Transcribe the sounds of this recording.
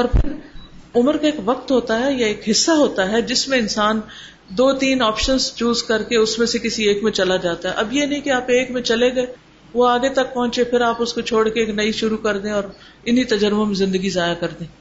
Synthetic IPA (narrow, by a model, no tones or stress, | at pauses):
ɔːɾpʰɪɾʊməɾkaeːkʋɐqt̪ɦoːt̪aɦɛjaeːkɦɪsːaɦoːt̪aɦɛd͡ʒɪsmẽɪnsaːn | d̪oːt̪iːnɔːpʃənzt͡ʃuːzkɐɾkeʊsmẽsekɪsieːkmẽt͡ʃɐlad͡ʒaːt̪aɦɛ̰ʔɐbjenɐɦĩkiaːpeːkmẽt͡ʃɐleɡɐe | ʋoaːɡet̪ɐk̚pɐɦʊ̃ɲt͡ʃepʰɪɾaːpʊskot͡ʃʰoːɽkeeːknɐiʃʊɾukɐɾd̪ẽɔːɾ | ɪnit̪ɐd͡ʒəɾmõmẽzɪ̃nd̪əɡizaːjakɐɾd̪ẽː